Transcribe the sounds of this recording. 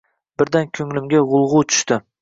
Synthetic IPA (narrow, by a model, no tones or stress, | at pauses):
bɪɾd̪ankʲʰɵŋlɪmɡʲaʁʊlˠʁʊt̪ʰʊ̥ʃt̪ɪ